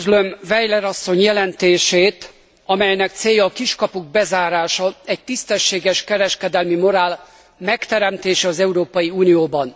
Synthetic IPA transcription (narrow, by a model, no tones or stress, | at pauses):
zlømvɛjlɛɾɒsːo̞ɲjɛlɛnt̪eːʃeːt̪ | ɒmɛjnɛkt̪seːjɒːkiʃkɒpuɡ̚bɛzaːɾaːʃɒɛc̚t̪ist̪ɛʃːeːɡɛʃkɛɾɛʃkɛd̪ɛlmimo̞ɾaːl | mɛkt̪ɛɾɛmt̪eːʃɛɒzɛuɾoːpɒjiuːnijoːbɒn